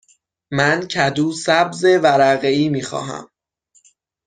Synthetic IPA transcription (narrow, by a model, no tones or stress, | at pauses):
mæncʰæd̪uːsæbze̞væɾæɣeiːmiːxɒ̰ːɦæ̰m